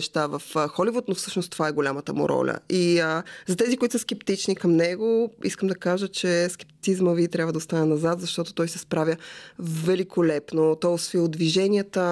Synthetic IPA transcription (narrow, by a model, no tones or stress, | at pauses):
ʃt̪avɐfxɔlivʊt̪nofsɤʃnost̪o̥vaɛɡolʲamət̪əmṵɾɔ̰lʲə̰iəzɐt̪ɛzikoʊit̪ʊ̥səskɛpt̪it͡ʃnikɐmnɛɡoḭskəmd̪ɐkaʒət͡ʃɛskɛ̥p̚t̪i̥t̪izməvit̪ɾʲabvəd̪ɐost̪anɛnɐzat̪zɐʃt̪ɔt̪o̥t̪ɔjsɛspɾavʲjəvvɛlikʰolɛpnot̪ɔsfiʊd̪viʒɛniət̪ə